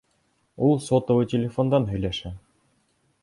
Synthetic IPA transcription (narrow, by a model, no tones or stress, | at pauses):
ulˠsot̪ŏwɤtʲelʲɪfond̪ɑnɦɵ̆jlæʃæ